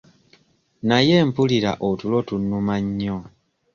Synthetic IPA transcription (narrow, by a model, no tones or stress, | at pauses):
najempuliɾa̰ʔotulotunːumaɲːo